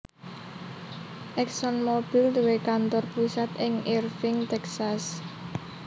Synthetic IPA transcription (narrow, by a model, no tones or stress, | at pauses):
ʔɛksɔnmob̥ild̪uwekant̪ɔrpusat̪ɪŋirfɪŋt̪ɛksas